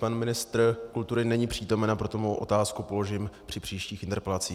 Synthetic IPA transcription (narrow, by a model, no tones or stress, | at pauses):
panmɪnɪst̪rkult̪uɾɪnɛɲiːpr̝̥iːt̪o̞mɛnapɾo̞t̪omowʔo̞̰t̪aːskupo̞lo̞ʒɪmpr̥ɪpr̥iːʃciːxʔɪnt̪ɛɾpɛlat͡siː